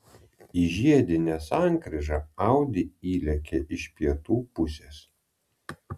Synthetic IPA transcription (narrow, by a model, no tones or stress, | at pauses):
iʒʲiɛd̪ʲɪnʲesɑˑŋʲkɾʲɛʒɑɐˑʊd̪ʲɪiːlʲɛkʲeʔɪʃʲpʲiɛt̪uːpʊsʲes